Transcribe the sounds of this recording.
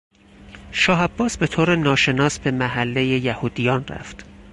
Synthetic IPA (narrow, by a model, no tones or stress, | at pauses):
ʃɒːɦæbːɒːsbe̞t̪ʰoːɾenɒːʃe̞nɒːsbe̞mæɦælːejejæhuːd̪ijɒːnræ̰ft̪